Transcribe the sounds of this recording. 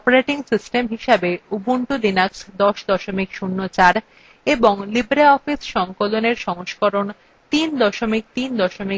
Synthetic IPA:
ɔpoɾeʈiŋsisʈemɦiʃabeubuɳʈud̪inaksd̪ɔʃd̪ɔʃomikʃunːot͡ɕaɾ | eboŋlibɾeɔfisʃɔŋkoloneɾʃɔŋoʃkɔɾon | t̪ind̪ɔʃomik̚t̪ind̪ɔʃomi

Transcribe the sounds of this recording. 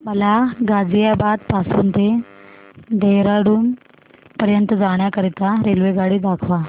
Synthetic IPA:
məlaɡad͡zijabad̪pasuːnt̪e | d̪eɦɾaɽuːn | pəɾjənt̪əd͡zaɽ̃jakəɾit̪aɾelʋeɡaɽiːd̪akʰʋa

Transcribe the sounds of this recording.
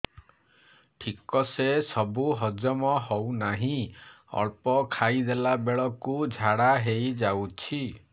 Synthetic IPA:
ʈʰikɔsesɔbuɦɔd͡ʒɔmɔɦɔwnaɦĩ | ɔ̰ɭpɔkʰajd̪elabeɭɔkud͡ʒʱaɽaɦejd͡ʒawt͡ʃʰi

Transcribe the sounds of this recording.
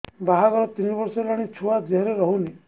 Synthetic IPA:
baɦaɡɔɾɔt̪inibɔɾselaɽ̃it͡ʃʰuad͡ʒeɦɾeɾɔɦuni

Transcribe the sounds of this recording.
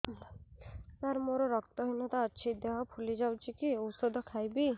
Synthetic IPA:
t̪aɾmoɾɔɾɔkt̪ɔɦojnɔt̪ɔːt͡ʃʰid̪ɔɦɔpʰulid͡ʒawt͡ʃʰikiosod̪ʱɔkʰajbi

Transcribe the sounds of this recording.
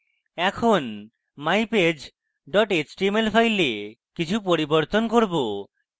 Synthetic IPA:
ɛkʰon | majped͡ʑ | ɖɔʈet͡ɕʈiemelfʰajle | kit͡ɕʰupoɾiboɾt̪onkoɾbo

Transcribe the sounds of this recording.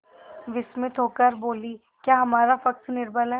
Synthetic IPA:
ʋɪsmɪt̪ɦoːkəɾboːli | kjaːɦɐmaːɾafɐksnɪɾbəlɛ

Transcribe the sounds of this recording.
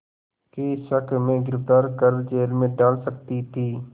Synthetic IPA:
keɪsəkʰmẽɡɪɾɪpʈaːɾkəɾd͡ʒeːlmẽɖaːlsək̚t̪it̪ʰiː

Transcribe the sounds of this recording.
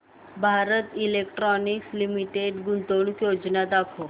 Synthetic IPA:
bʱaɾət̪ilekʈɾɔnikslimiʈeɖɡunt̪oɳkjod͡znad̪akʰo

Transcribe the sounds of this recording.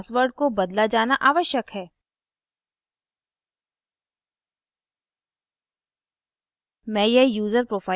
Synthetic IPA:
sʋəɾɖ̚kobɐd̪lad͡ʒaːnaʔaːʋəʃjəkɦɛː | mɛ̃ːjejuːzəɾpɾoːfaː

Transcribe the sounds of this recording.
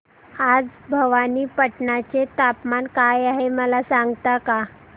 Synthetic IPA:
ad͡zbʱəʋaniːpəʈɳat͡set̪apmankajaɦeməlasaŋɡt̪aka

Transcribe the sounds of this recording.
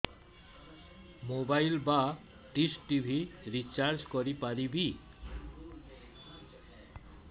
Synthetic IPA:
mobajlba | ʈisʈibʱiɾit͡ɕaɾd͡ʑkoɾipaɾibi

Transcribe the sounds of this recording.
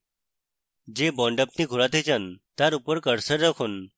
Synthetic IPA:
d͡ʒeːbɔ̃ːɳɖəp̚nĩːɡʱʊɾat̪ʰet͡ʃʰənt̪aɾupəɾkəɽsəɾɾəkʰʊn

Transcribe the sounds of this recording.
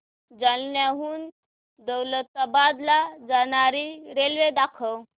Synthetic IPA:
d͡zalnjaɦuːn | d̪əwlət̪ːabad̪lad͡zañaɾiɾelʋed̪akʰəw

